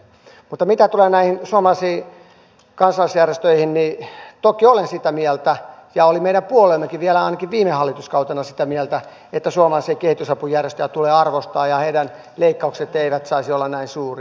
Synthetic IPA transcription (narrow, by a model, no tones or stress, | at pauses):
mut̪ːɑmit̪æt̪uleːnæihinsuɑmɑlɑisiː | kɑnsɑlːˑɑsjærjest̪øihinnit̪okiolensit̪æmiɛlt̪æjɑolimeiɾæmpuolemːekiʋʋiælæɑinɑkiʋʋiːmehɑlːit̪uskɑut̪ɑnɑsit̪æmiɛlt̪æ | et̪ːæsuomɑlɑsiːkehit̪usɑpujærjest̪øjæt̪uleːɑrʋost̪ɑːjɑheiɾæn | leikːɑukset̪eiʋæt̪sɑisiolːɑnnæinsuːri